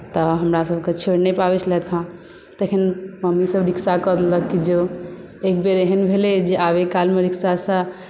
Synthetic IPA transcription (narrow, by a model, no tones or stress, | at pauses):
t̪ɔɦəmɾasəbʱket͡ʃʰeɽnepabɛt͡ʃʰlɛt̪ʰɦã | t̪ekʰinməmisəbɾiksakəd̪ləkːid͡ʒo | ekbeɾeɦənbʱeled͡ʒeʔabekalmeɾiksasə̃